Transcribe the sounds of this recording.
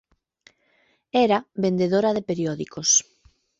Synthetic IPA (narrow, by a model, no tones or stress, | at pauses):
ɛɾaβend̪eðoɾɐðepeɾiɔðikos